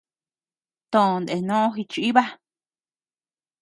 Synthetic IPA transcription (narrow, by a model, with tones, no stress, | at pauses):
t̪õ˨nd̪e˨nõ˦õ˦xi˧t͡ʃu˧i˦βa˦